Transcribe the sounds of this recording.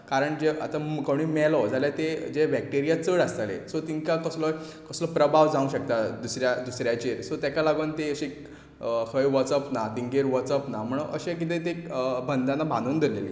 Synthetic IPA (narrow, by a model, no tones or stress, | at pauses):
kaɾəɳd͡ʑea̰t̪akəɽ̃imɛlɔd͡zaljat̪ed͡ʑebɛk̚ʈiɾijat͡səɽast̪alḛsɔt̪iŋkakəslɔ | kəslɔpɾəbʱaʋd͡zaũɕək̚t̪ad̪usɾjad̪usɾjat͡ɕeɾsɔt̪jakalaɡunt̪eəɕik | həjʋɔt͡səpnad̪iŋɡeɾʋɔt͡səpnam̤əɳ̃ʔəɕẽk̬it̪̬ẽt̪ebʱənd̪anabʱãnd̪uːnd̪ʱilelḭː